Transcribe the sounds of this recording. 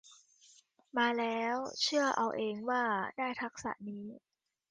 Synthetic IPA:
maː˧lɛː˦˥wt͡ɕʰɯ˥˩ɐʔa˧wʔeː˧ŋwaː˥˩daː˥˩jt̪ʰa˦˥k̚sa̰˨˩ʔniː˦˥

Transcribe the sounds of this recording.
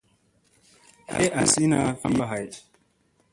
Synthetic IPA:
he˦ʔa˨si˦na˦fa̰˦mba˦ɦa˨j

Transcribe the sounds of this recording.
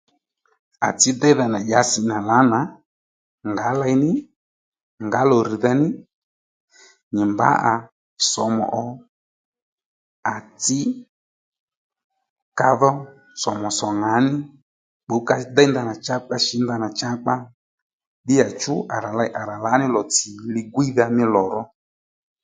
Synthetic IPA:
a̰˨t͡sɪ˦d̪ɛ˦ða˧na˨ʄa˨˦sɪ˧na˨la˨˦na˨˦ | ŋɡa˨˦la˧jnɪ˦ | ŋɡa˨˦lɔ˨ɾi˨ða˧nɪ˦ | ɲɪ˨mba̰˨˦ʔa˨ | sɔ˨mɔ̰˨ʔɔ˨ | a˨t͡sɪ˦ | ka˧ðɔ˦ | sɔ˨mɔ˨sɔ˨ŋa˨˦nɪ˦ | ɓo˨˦ka˧da˦nda˧na˨t͡ʃa˦k͡pa˧˦ʃɪ˨˦nda˧na˨t͡ʃa˦k͡pa˦ | ɗɪ˦ja˨t͡ʃʊ˦ʔa˨ɾa˨la˧jʔa˨ɾa˨la˨˦nɪ˦lɔ˨t͡sɪ˨lɪ˧ɡwi˦ða˧mɪ˦lɔ˨ɾɔ˦

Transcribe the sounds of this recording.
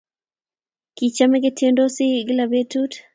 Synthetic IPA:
ki˨t͡ʃa˦mɛ˦ɡe˦tʰje˦ndo˦sɪ˦ɡɪ˦la˨be˦tut

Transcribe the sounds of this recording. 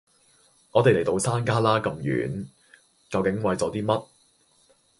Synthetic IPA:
ŋɔː˨˧t̪e˨le˨˩jt̪o˧wsaː˥nkaː˥laː˥kɐ˧mjy̰ː˨˥n | kɐ˧wkɪ˨˥ŋwɐ˨˧jt͡sɔː˨˥t̪iː˥mɐ˥t̚

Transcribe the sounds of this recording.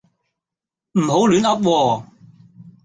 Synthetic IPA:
m̩˨˩ɦo˨˥wlyː˨˥nɐ˥p̚wɔː˧

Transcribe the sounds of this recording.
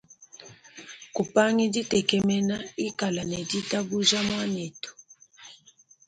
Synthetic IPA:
ku˨pa˦ŋi˦di˦tɛ˨kɛ˦mɛ˦na˦i˦ka˨la˨nɛ˨di˦ta˦ɡu˦ʒa˦mwa˦nɛ˨tɔ̥˨

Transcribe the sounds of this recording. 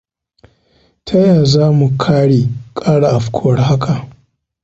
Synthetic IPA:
tʰɐ˦jaː˨zaː˦mu˨kʰaː˦ɽeː˨kʼaː˦ɽa˨ʔa˨ɸkʷʰʊ˦wɐ˨rɦa˦kʰa˨ʔ

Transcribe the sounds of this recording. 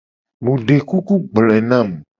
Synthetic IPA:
mũ˨ɖe˨ku˦ku˦ɡ͡blɛ˨nã˦˨m

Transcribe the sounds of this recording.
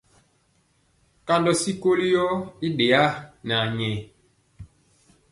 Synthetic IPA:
ka˦ndɔ˦si˦ko˦li˦jɔ˦i˦de˨a˦na˨ɲɛ˨

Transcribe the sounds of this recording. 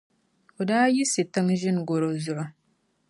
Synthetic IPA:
o˨daː˦ji˦sɨ˨tɨ˦ŋʒɪ˦n˨ɡo˨ɾo˨zʊ˨ʔʊ˦

